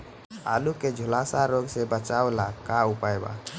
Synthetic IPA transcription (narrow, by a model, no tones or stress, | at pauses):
a̰ːluked͡ʒʱʊlaːsaɾoɡsebət͡ʃaːolakaupaeba̰